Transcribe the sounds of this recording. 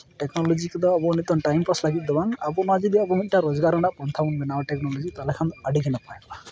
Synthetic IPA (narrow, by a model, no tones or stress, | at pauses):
ʈeknɔlɔd͡ʒikɔd̪ɔabɔɔnit̪ɔnʈajmpaslaɡit̪̚ˀd̪ɔbaŋabɔmad͡ʒid̪iabɔmit̪̚ʈaɾɔzɡaɾɔɳɖapɔnt̪ʰabɔnbɛnawaʈeknɔlɔd͡ʒit̪alekʰand̪ɔaɖiɡʱɛnapaja